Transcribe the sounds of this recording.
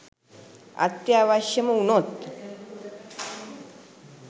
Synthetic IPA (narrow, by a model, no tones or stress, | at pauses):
a̰t̪jaʋaʃjəmɐunot̪